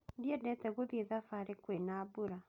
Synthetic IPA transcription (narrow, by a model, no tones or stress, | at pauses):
diɛdɛtɛɣoðiðafaɾekwenabuɾa